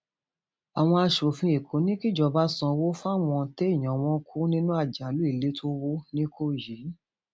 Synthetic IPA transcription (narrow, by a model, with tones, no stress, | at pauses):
a˨w̃ɔ̃˧a˧ʃo˨fĩ˧˦e˨kʰo˨˦nĩ˦ki˦d͡ʒɔ˧˨ba˦sɔ̃˧wo˦fa˦˨w̃ɔ̃˧te˦ĩ˦˨ɔ̃˨w̃ɔ̃˧˦kʰu˦nĩ˦nũ˦a˦˨d͡ʒa˨˦lu˨˦i˦˨le˨˦tʰo˦wo˦nĩ˦kʰo˦˨ji˨˦